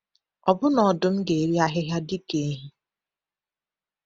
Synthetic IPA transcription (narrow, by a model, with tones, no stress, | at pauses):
ɔ˨bʊ˦nɔ˨dʊ˦m̩˦ɡe˨ɾi˦a˦ɦɪ˦ɦja˦di˦ke˨e˦ɦi˦